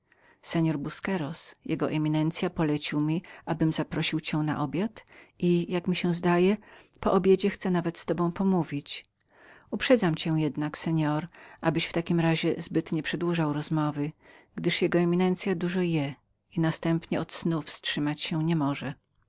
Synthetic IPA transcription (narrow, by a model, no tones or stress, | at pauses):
sɛɲɔɾbuskɛɾɔsjɛɡɔʔɛmʲinɛnt̪sʲjapɔlɛt͡ɕiwmʲiʔabɘmzapɾɔɕiwt͡ɕɛw̃na̰ʔɔbʲjat̪ʔijakmʲiɕɛzd̪ajɛ | pɔʔɔbʲjed͡ʑɛxt̪sɛnavɛt̪st̪ɔbɔ̃w̃pɔmuvʲit͡ɕ | upʂɛd̪zamt͡ɕɛw̃jɛd̪naksɛɲɔɾʔabɘɕft̪akʲimɾaʑɛzbɘt̪ɲɛpʂɛd̪wuʐawɾɔzmɔvɘɡd̪ɘʂjɛɡɔɛmʲinɛnt̪sʲjad̪uʐɔjɛ | inast̪ɛmpɲɛɔt̪snufstʂɘmat͡ɕɕɛwɲɛmɔʐɛ